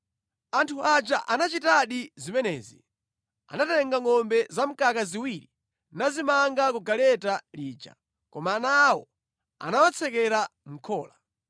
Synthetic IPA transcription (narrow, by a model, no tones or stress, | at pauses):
antʰuat͡ʃaʔanat͡ʃitaɗizimɛnɛːzḭ | a̰natɛŋɡaŋɔmbɛzam̩kakaziwiɾi | nazimaŋɡakuɡalɛtaliːt͡ʃa̰ | kɔmaːnawɔ̰ | a̰nawat͡sʰɛkɛɾam̩kʰɔːla